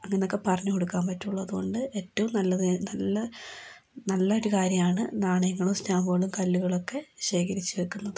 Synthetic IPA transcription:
ɐŋːɐneokːe̞pɐrɐɲːɐko̞ɽukːaːmpɐtːuɭːɐɐðuɣo̞ɳɖɨe̞ːtːɐʋumnɐlːɐðnɐlːɐ | nɐlːɐoɾukaːɾjɐmaːɳɨnaːɳɐjɐŋːɐɭumstaːmɐɣɐɭumkɐlːuɣɐɭo̞kːe̞ɕe̞ːkʰɐɾit͡ɕːɨʋe̞kːunːɐðɨ

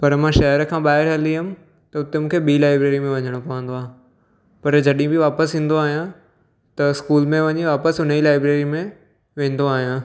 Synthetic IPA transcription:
pɐɾmãʃɐɦəɾəkʰãːɓaːɪɾɦɐliɦʊmɪ̆ | t̪ɐʊt̪emũːkʰeɓiːlaːɪbɾeːɾimẽʋɐɲəɽ̃opɐʋə̃nd̪oaːɦ | pɐɾd͡ʑɐɗĩbɪʋaːpəsĩːn̆d̪oaːɦijã | t̪ɐɪskuːlmẽʋɐɲiʋaːpəsʊnəilaːɪbɾeːɾimẽ | ʋẽːn̆d̪oaːɦijãː

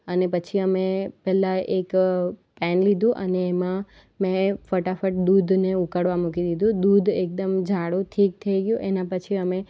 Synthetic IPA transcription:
ənepət͡ʃʰiəmepɛlaʔekpɛnlid̪ʱũʔə̰neːmã | mɛ̃fəʈafəʈ̚d̪ud̪ʱneukəɽʋamukid̪id̪ʱũd̪ud̪ʱek̚d̪əmd͡ʒʱaɽũʈʰik̚t̪ʰəiɡjũʔenãpət͡ʃʰiəme

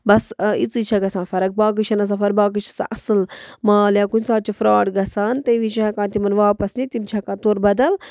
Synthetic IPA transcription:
bɐsit͡sit͡ʃʰɐɡɐsãːnfɐɾɐk̚baːk̬ɨt͡ʃʰɐnɐs̬ɐfɐɾbaːk̬ɨt͡ʃʰɐ̥sa̰ʔɐsɨlmãːljãːkunsaːt̪̚t͡ʃufɾaːʈɡɐsaːnt̪ɐʋit͡ʃʰakãːt̪imɐnʋaːpɐsnit̪imt͡ʃʰakãːt̪oːɾbɐd̪ɐl

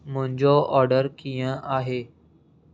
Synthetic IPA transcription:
mʊ̃ɦɪ̃ɲd͡ʑoʔɔːɾɖəɾkijə̃aːɦeː

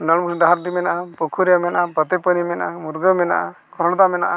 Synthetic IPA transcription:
naɽmusɖaɦaɾɖimɛnaʔapukʰuɾɛjamɛnaʔapət̪ɛpənimɛna̰ʔamuɾɡəmɛna̰ʔa | kʰɔɾɔnɔt̪amɛna̰ʔa

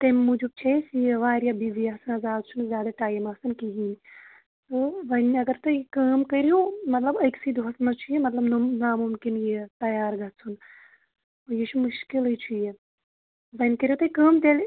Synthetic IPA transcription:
t̪ɐmʲːud͡ʒub̚t͡ʃʰesjeʋaːɾjabiʋijaːsɐnɐzaːd̪t͡ʃʰunzʲjaːd̪ɐʈaːjimaːsɨnkiɦiːn | t̪ɨʋɐnɐɡɐɾt̪ɐikəːmkɐɾijomɐt̪lɐbɐksid̪uɦɐsmɐt͡ʃʰujemɐt̪lɐbnunaːmumkinjet̪ɐjaːɾɡɐt̪t͡sʰun | ojit͡ʃʰumuʃkilɨt͡ʃʰuje | ʋɐnʲkɐɾʲijot̪ɐikɐːmt̪el

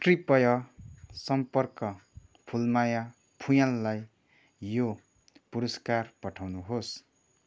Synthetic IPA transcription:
ʈripʌjʌsʌmpʌrkʌ | pʰulmaja | pʰujãlːaj | jo | puɾʌskarpʌʈʰawnuɦos

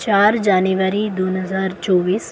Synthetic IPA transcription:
t͡ʃaːɾd͡ʒaːniʋəɾid̪oːnɦəzaːɾt͡ʃɔːʋiːs

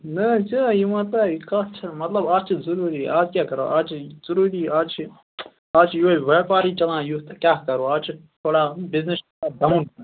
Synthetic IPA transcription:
nɐd͡ʒaːjimɐt̪ɐikat͡ʃʰɐmɐt̪lɐbaːt͡ʃʰizuɾuːɾḭaːd͡ʒkʲaːkɐɾo̰ːʔaːt͡ʃʰzɐɾuːɾiːaːt͡ʃʰi | aːt͡ʃʰjuːiʋɛːpaːɾiːt͡ʃɐlãːjut̪kjaːkɐɾoːaːt͡ʃʰt̪ʰoːɽaːbɪznɪs | ad̪ɐmũnː

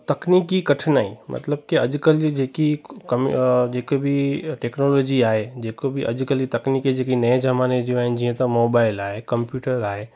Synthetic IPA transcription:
t̪ɐknikikɐʈʰnaːimʔɐ̰t̪ləb̚kiɐd͡ʒkəlid͡ʒeːkikɐmd͡ʒeːkobʱiʈeːknoloːd͡ʒiaːɦed͡ʒeːkobʱiʔɐ̰d͡ʒkəlit̪ɐkniked͡ʒekinɐẽd͡ʒɐmaːned͡ʒ̪iõaːɦɪnd͡ʒiẽt̪ɐmoːbaːɪlaːɦekɐ̃mpjuːʈəɾaːɦe

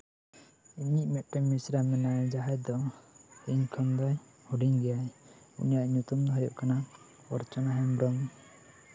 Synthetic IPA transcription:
iniʔmɛt̪̚ʈɛmisɾamɛnajd͡ʒaɦɛd̪ɔhiŋkʰɔmd̪ɔj | huɖiŋɡɛjajṵnijaʔɲut̪umd̪ɔɦɔɾjɔ̰ʔkʰana | ɔ̰ɾt͡ʃɔnaɦɛmbɾɔm

